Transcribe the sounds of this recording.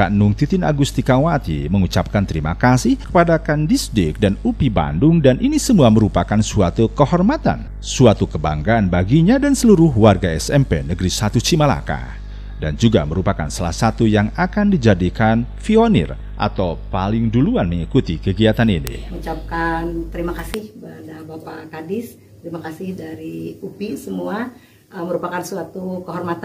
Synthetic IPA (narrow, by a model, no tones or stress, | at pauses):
kaʔnʊŋt̪it̪ɪna̰ɡust̪ikawat̪ḭməŋut͡ʃap̚kant̪əɾima̰kasɪhkə̥padakandisdɪk̚danupiba̰ndʊŋdanʔinisəmuaməɾupakansuat̪ukəhɔrmat̪a̰n | suat̪ukəba̰ŋɡaːnbaɡiɲadansəluɾʊɦwarɡaɛsɛmpḛnəɡɾisat̪usimala̰ka̰ | dand͡ʒuɡa̰məɾupaka̰nsalahsat̪ujaŋakandid͡ʒadikanfionɪ̰r | ʔa̰t̪awpalɪŋduluanməŋikut̪ikəɡiat̪aninḭut͡ʃap̚kant̪əɾimakasɪhbəadabapakadɪs | t̪əɾimakasɪhdaɾiupisəmua | əməɾupakansuat̪ukəɦɔrmat̪